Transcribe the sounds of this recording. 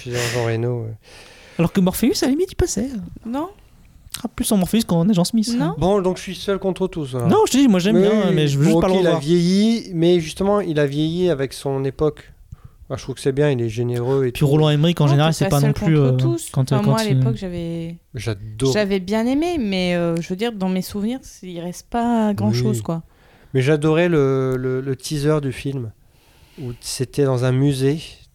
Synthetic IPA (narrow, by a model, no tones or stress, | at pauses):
fizɛ̃ʒɑ̃ʁenoɛalɔʁkəmɔʁfeysavɛmid̪ipasɛønɔ̃ | aplysɔ̃mɔʁfeyskɑ̃neʒɑ̃smisñbɔ̃d̪ɔ̃kʒəsɥisœlkɔ̃t̪χət̪usvanɔ̃ʒət̪əd̪imwaʒɛmbjɛ̃mɛʒəvøʒystpaləʁəlwaʁvjejimɛʒyst̪əmɑ̃ilavjejiavɛksɔ̃nepɔk | fãʃt̪ʁuv̥kə̥sɛbjɛ̃ilɛʒeneʁøepʰiʁolɔ̃ɛmʁikɑ̃ʒeneʁalsɛpanɔ̃plyøt̪uskɑ̃t̪kmɑ̃walepɔkʒavɛmɛʒad̪ɔʒavɛbjɛ̃nememɛøʒəvød̪iʁd̪ɑ̃mesuvniʁsiʁɛst̪paɡʁɑ̃ʃozkwa | mɛʒad̪ɔʁɛlələlət̪ʰizœʁd̪yfilm | u̥set̪ɛd̪ɑ̃zɛ̃myze